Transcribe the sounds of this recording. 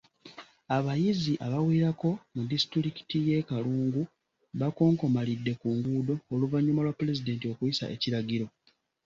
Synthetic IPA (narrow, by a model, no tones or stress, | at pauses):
aβajiziʔaβawiːɾako̞mudisi̥tɾiɾiki̥tije̞kaluːŋɡu | βako̞ːŋko̞malidːe̞kuːŋɡuːdo̞ːluvaɲːumalwaple̞zide̞ːntio̞kuisa̰ʔe̞̰ciɾaɟiɾo̞